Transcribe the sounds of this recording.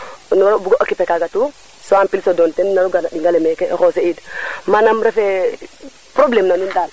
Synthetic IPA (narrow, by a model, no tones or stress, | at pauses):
nuɾbuɡoʔokipɛkaɡatu | sɔampilsodɔntɛnnaɾuɡanaɗiŋɡalɛmɛkɛʔɛxɔseidmanamɾɛfɛ | pɾoblemnanundan